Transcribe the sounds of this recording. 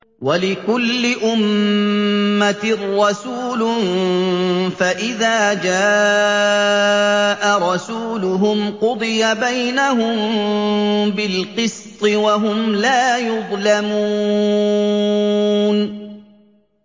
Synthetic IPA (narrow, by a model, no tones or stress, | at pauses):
walɪkʊlːɪʔʊmː | at̪ɪrːɑsuːlʊ | faʔɪðaːd͡ʒaː | ʔaɾˤɑsuːlʊɦʊmqʊd̪ˤɨjabajnaɦʊm | bɪlqɨst̪ˤɨwaɦʊmlaːjʊðˤlamuː | n